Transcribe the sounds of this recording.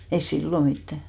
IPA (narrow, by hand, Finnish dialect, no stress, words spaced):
ei silːo mitːæ